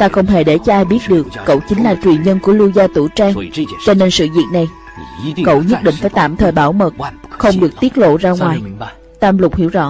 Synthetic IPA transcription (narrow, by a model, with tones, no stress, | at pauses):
t̪aː˧xə˧wŋ͡mɦe˧˩ɗe˧˩t͡ɕɔ˧ʔaː˧jɓi˦˥t̚ɗɨ˨˩əkːə̰˧˨wt͡ɕï˨˦ŋ̟laː˨˩t͡ɕwi˨˩ənɲə˧nku˧˩əlu˧zaː˧t̪u˧˩t͡ɕaː˧ŋt͡ɕɔ˧ne˧nsɨ̰˧˨zḭ˧˨t̚na˨˩j | kə̰˧˨wɲə˦˥t̚ɗḭ̈˧˨ŋ̟faː˧˩jt̪a̰ː˧˨mt̪ʰəː˨˩jɓaː˧˩wmə˨˩t̚xə˧wŋ͡mɗɨ˨˩ək̚t̪i˦˥t̚lo̰˧˨zaː˧ŋwaː˨˩j | t̪aː˧mlʊ˨˩k͡p̚hḭ˧˥əwzɔ̰˧˥